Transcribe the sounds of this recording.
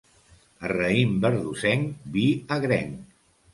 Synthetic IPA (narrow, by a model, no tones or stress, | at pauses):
ərəimbəɾðusɛŋbiəɣɾɛŋ